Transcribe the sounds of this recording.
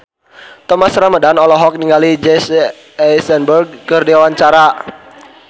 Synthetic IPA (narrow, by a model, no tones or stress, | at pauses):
t̪ɔmasɾamədanɔlɔɦɔk̚niŋɡalid͡ʒɛs | ɛsɛnbərɡ̚kərdewawaɲt͡ʃaɾa